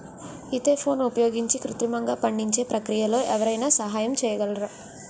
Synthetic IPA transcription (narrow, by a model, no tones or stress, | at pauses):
id̪e̞ːpʰo̞ːnupɐjo̞ːɡiɲt͡ʃikɾut̪ɾimɐŋɡaːpɐɳɖiɲt͡ʃe̞ːpɾɐkɾijɐlo̞ːʔɛʋɐɾɐjnaːsɐɦaːjɐmt͡ʃɛːjɐɡɐlɐɾa